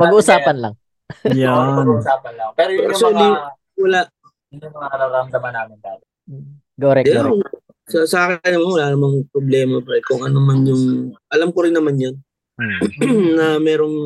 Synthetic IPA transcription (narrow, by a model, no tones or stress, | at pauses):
pɐɡɡuːʔʊsaːpɐnlɐ̰ŋ | jansaːpɐnlɐŋpɛːɾojɐsli | wɐlaʔ | ɐnʊŋmɐŋaɾaɾɐmd̪ɐmɐnaːmɪnd̪aːjɐ | ɡoɾɛɛ | sɐsɐʔaːkɪɪnːɐmanwɐlaːnɐmɐŋpɾoblɛːmɐpɾɛkoŋʔɐnnɐmanjʊŋʔɐlamkoɾɪnːɐmanjon | nɐmɛːɾoŋ